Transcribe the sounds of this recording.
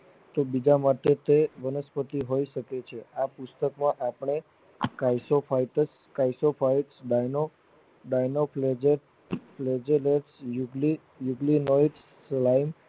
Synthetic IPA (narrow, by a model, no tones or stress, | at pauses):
t̪obid͡ʒamaʈet̪eʋənəspət̪iɦoiʃəket͡ʃʰeapust̪əkmãʔapɳ̃e | kajsopʰaiʈəs | kajsopʰaiʈsɖajno | ɖajnopʰled͡ʒeɾ | pled͡ʒeleɾsjuɡli | juɡlinoiʈː | laim